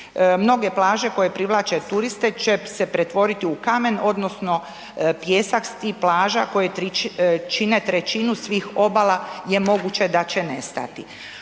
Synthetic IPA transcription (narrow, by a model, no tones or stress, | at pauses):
mno̞ɡe̞plaːʒe̞ko̞je̞pɾiʋlˠaːt͡ʃe̞t̪uɾist̪et͡ʃesepɾet̪ʋo̞ɾit̪iukame̞no̞d̪no̞sno̞ | pjeːsakst̪iplaːʒako̞je | t͡ʃinet̪ɾet͡ʃinusʋiːxo̞balaje̞mo̞ɡut͡ʃe̞d̪at͡ɕe̞ne̞st̪a̰t̪i